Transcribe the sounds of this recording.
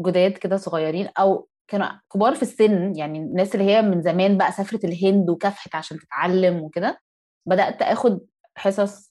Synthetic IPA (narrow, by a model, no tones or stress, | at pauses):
ɡod̪æːt̪ked̪æsoɣɑjːɑɾiːnʔæw | kæːnukebɑːɾˤfisːenːjaʕninːæːselːihejːæmenzæmæːnbæʔæsæfɾeelɦend̪wekæfhet̪ʕaʃæːnt̪e̥t̪ʕalːemweked̪æ | bæd̪æʔt̪ʔæːxod̪̚ | ħesˤɑsˤ